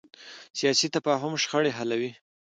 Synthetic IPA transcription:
sijɑsit̪afɑɦʊmʃxəɽeɦalawi

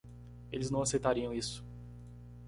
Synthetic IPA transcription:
elɪznɐ̃w̃asejt̪aɾiɐ̃w̃isʊ̥

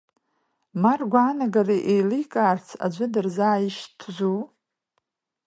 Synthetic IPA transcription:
marɡʷaːnaɡariʔejlikʼaːrt͡sʰa̰d͡ʒʷɨdɨrzaːjiʃtʰʒʷu

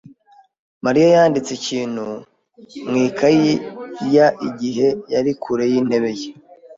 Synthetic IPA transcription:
maɾijajaːndit͡seciːn̥hu | mŋiːkʰaijaʔiɟiɦe̞jaɾikʰuɾe̞jiːn̥e̞βe̞je

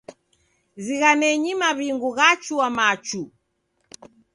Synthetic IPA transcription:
ziɣanɛɲimaβiŋɡuɣat͡ʃuwamat͡ʃu

